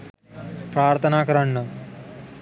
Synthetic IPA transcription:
pɾaːɾt̪ʰɐnaːkɐɾɐɳːɐ

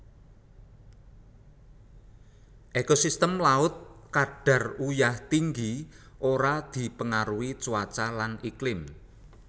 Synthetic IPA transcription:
ʔekosist̪əmlaʊt̪̚kaɖ̥a̤rujaht̪iŋɡiʔoɾad̪̥i̤pəŋaɾuit͡ʃuwat͡ʃalaniklɪm

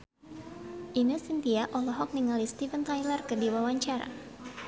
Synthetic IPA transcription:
ʔinusint̪iaʔɔlɔɦɔk̚niŋalist̪ifənt̪ajlərkədiwawaɲt͡ʃaɾa̰

